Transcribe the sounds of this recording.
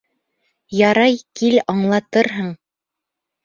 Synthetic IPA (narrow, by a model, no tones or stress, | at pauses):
jɑɾɑjkilɑɴlˠɑt̪ɤɾɦɤɴ